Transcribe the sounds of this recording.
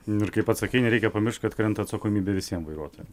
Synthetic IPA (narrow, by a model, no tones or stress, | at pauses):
ɪɾkɐɪpɐt̪sɐkʲɛɪnʲɛɾʲɛɪkʲɛpɐmʲɪrʃt̪ʲkɐt̪kɾʲɛnt̪ɐt̪sɐkoːmʲiːbʲɛʋʲɪsʲiɛmʋɐɪɾuɔt̪oːjɛm